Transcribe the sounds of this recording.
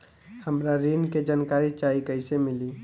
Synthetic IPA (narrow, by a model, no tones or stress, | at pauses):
həmɾaɾinked͡ʒaːnkaːɾit͡ʃaːikəɪsemɪli